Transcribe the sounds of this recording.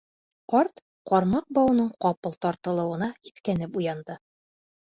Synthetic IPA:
qɒɾt̪ | qɒɾmɑq̚bɒwɤ̆nɤɴqɒpɤlˠt̪ɒɾt̪ɤ̆lˠɤ̆wɤ̆nɑit̪kænɘpujɑnd̪ɤ

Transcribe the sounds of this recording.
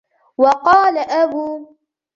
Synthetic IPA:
wɑqɑːlaʔabuː

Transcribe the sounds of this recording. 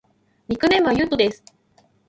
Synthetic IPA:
mʲikɯ̟nẽ̞mβajɯ̟t̪od̪e̞sɨ̥

